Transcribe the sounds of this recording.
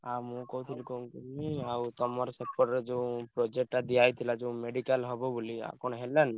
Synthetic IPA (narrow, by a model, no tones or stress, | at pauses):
amũkɔɦut̪ʰilikɔũŋkiniawt̪ɔmɔɾsɛpːɔɾed͡ʒeũpɾɔd͡ʒek̚ʈad̪iajt̪ʰilad͡ʒeũmeɖikalɦɔbɔbulia̰kɔñɔɦelːɛni